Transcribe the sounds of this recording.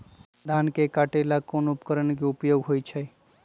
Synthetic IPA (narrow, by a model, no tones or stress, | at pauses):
d̪ʱankekaʈelakonupkəɾənkeupjoɡɦojt͡ʃʰəj